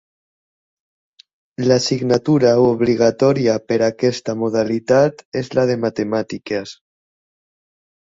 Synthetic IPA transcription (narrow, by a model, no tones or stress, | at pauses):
lasiɣnat̪uɾaoβliɣ̞at̪ɔɾiapeɾakɛst̪amoðalit̪at̪ezlað̞emat̪emat̪ikes